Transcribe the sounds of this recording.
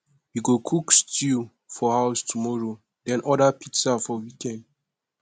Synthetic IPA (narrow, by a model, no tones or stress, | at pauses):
wiɡokʰukstʰi | fɔhaʊstʰumɔɹo | dɛ̃nʔɔdapiksafɔwikɛ̃nd